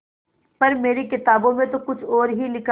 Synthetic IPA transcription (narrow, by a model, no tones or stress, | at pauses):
pɐɾmeːɾekɪt̪aːbõmẽt̪okʊt͡ʃʰɔːɾɦilɪkʰ